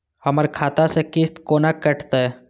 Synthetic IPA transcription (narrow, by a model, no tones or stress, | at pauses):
həməɾkʰaːt̪asekɪst̪koːnakəʈʰt̪aɦɛ